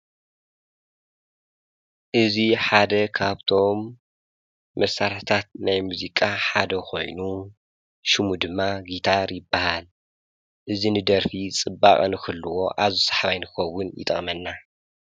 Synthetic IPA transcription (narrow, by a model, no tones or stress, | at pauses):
ʔɨziħad̪ɐkʰaβt̪ʰo̞m | ɐsaɾħt̪ʰat̪̚najmuzikʼaħad̪ɐko̞̰jnu | ʃɨmud̪ɨmːaɡit̪ʰaɾjɪbːahal | ʔɨzinɨd̪ɐɾfit͡sʼɨbːakʼnɨkɨlːɨwo̞ʔaβzisḁħβajnɨkʰɨxɐwːʊnjɪ̰t̪ʼɐ̰χʼmɐnːa